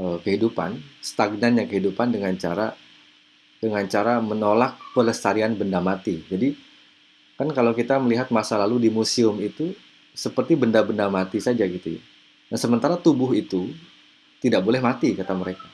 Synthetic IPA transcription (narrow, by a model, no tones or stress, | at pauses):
əkəɦidupa̰nst̪aɡ̚nanɲakəɦidupandəŋant͡ʃa̰ɾa | dəŋant͡ʃaɾamənolak̚pələst̪aɾianbəndamat̪id͡ʒadi | kankalawkit̪aməliɦat̪̚masalaludimusiʊmit̪u | səpərt̪ibəndabəndamat̪isad͡ʒaɡit̪uja̰ | dansəmənt̪aɾat̪ubʊɦit̪u | t̪idaʔ̚bolɛhmat̪ikat̪aməɾeka